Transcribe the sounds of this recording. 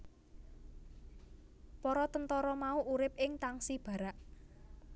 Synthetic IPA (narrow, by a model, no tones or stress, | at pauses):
pɔɾɔt̪ənt̪ɔɾɔmauʔuɾɪp̚ɪŋt̪aŋsib̥ä̤ɾaʔ